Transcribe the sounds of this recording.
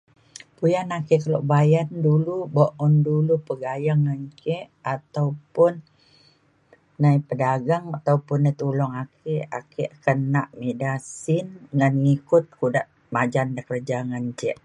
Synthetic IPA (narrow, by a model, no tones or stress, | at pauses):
pujanakɛʔkəlɔ̰ʔbajandulubɔʔɔndulupəɡajaŋːəɲt͡ʃɛʔat̪awpʊn | aipədaɡaŋat̪awpʊnːajt̪ulɔŋakʰeakɛʔkənaʔmedasɪnŋanŋikʊt̪̚kudaʔ | mad͡ʒandəkərd͡ʒaŋəɲt͡ʃɛʔ